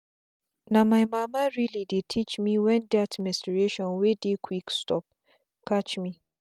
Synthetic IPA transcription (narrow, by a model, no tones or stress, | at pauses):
namajmamaɹilidetʰit͡ʃmiwɛ̃ndatmɛ̃stɹeʃɔ̃nwedekʰwikstɔp̚ | kat͡ʃmi